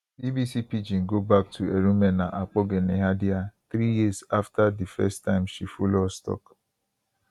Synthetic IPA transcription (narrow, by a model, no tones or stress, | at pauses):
bibisipid͡ʒiŋ̩ɡobak̚tʰueɾũmenaʔak͡pɔɡeneɦadiaθɾijizaftadifɛstːãɪ̃mʃifulɔstɔ̰k